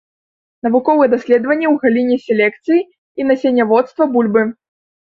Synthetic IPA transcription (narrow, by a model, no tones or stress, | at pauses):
nɐvukɔvɨjɛd̪asʲlʲɛd̪vɐnʲːɛwɣalʲinʲɛsʲelʲɛkt̪sɨji | inasʲenʲːɐvɔt̪st̪vɐbulʲbɨ